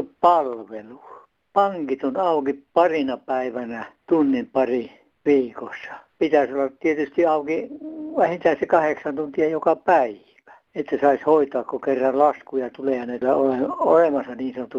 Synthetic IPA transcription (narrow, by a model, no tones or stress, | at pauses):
uppɑlʋelu | pɑŋkit̪onɑukipɑrinɑpæiʋænæt̪unːimpɑri | ʋiːkosːɑ̥pit̪æsolːɑt̪t̪iet̪yst̪iɑukiʋæhint̪æisekɑheksɑnt̪unt̪iɑjokɑpæi | ʋæ̥ | et̪ːæsɑishoit̪oɑkkokerːɑllɑskujɑt̪ulejɑnelːæoleo̰lemɑsɑniːnsɑnot̪ːu